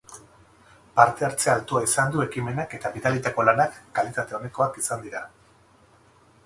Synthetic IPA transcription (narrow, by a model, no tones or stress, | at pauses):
paɾt̪e̞aɾt͡se̞alt̪uaisand̪ue̞kime̞nake̞t̪aβiðalit̪ako̞lanakːalit̪at̪e̞o̞ne̞ko̞akisand̪iɾa